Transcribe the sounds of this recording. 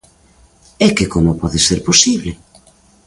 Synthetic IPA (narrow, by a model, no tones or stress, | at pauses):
ɛkekomopɔðeseɾposiβle